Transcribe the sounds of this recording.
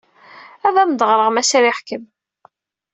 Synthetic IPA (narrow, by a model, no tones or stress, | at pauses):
æðæmd̪əʁɾˤəʁmæsæɾiħkəm